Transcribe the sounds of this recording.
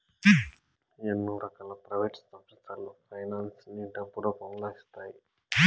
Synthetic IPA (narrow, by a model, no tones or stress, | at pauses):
enːuɾɐkaːlɐpɾɐʋeːʈsɐpʂɐt͡ʃalupʰɐjnaːnsniɳʈɐpːuɽoːpɐmloːist̪aːji